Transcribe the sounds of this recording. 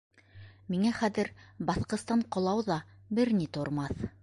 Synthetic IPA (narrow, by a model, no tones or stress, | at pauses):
miŋæχæðɘ̆ɾbɑθqɤ̆st̪ɑɴqŏlˠɑwðɑ | bɘɾnit̪ŏɾmɑθ